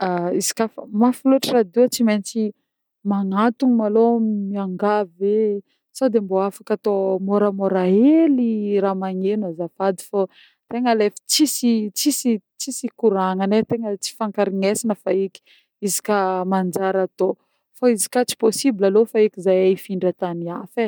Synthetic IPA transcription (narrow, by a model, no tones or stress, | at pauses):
aizi̥kʲafəmafiluaʈ͡ʂirad̪iat͡siment͡si | maŋat̪uŋimalomiaŋɡave | sad̪emboafakat̪omoɾəmoɾaeliɾamaŋenazafad̪i̥fo | t̪eŋəlefə̥t͡sisit͡sisit͡sisikuɾaŋənet̪eŋət͡si̥faŋkaɾiŋesinəfaiki̥ | izi̥kʲamand͡ʒaɾat̪o | faizi̥kat͡si̥posibilalofaikizajaifiɳɖ͡ʐət̪aniafe